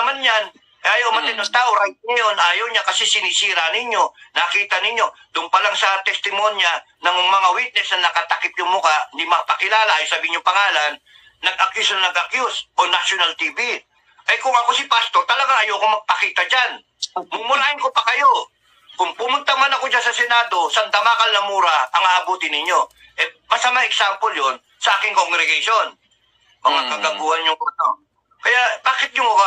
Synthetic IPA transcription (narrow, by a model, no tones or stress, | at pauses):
ɐmanɲan | jʔaːjɐwmanːɪɲːʊŋt̪aːʔoɾajt̪̚ŋɐjo̞naːjowɲakɐsɛsɪnisiːɾanɪɲjo̞nɐkiːt̪ɐnɪɲːo̞d̪ʊŋpɐlaŋsɐt̪ɛst̪ɪmonjanɐmʊŋmɐŋawit̪̚nɛsnɐnɐkɐt̪ɐkɪp̚jʊŋmʊkanɪmɐapɐkɪlaːlaʔajosɐbiːɪɲʊŋpɐŋaːlanː | ɐɡ̚ʔɐkjusnɐnɐɡʔɐkjusʔonaʃʊnalt̪iːbi | ʔɐjkʊŋɐko̞sɪpast̪o̞ɾt̪ɐlɐɡaŋɐjoːɐkoŋmɐɡ̚pɐkiːt̪ɐd͡ʒan | mʊmʊɾaːhɪnkopɐkɐjo̞ | kʊŋpʊmʊnt̪ɐmanɐko̞d͡ʒansɐsɛnaːd̪o̞sɐnd̪ɐmaːkɐlːɐmuːɾɐʔɐŋaʔɐbuːt̪ɪnɪɲːo̞ | ʔɛbɐsɐmaʔɛksampoljo̞n | sɐʔaːkɪŋkoŋɡɾɛɡɐʃo̞n | mɐŋakɐɡɐɡuːhɐnjʊŋʔɐno̞ | kɐjabaːkɪt̪̚jʊŋʊɡa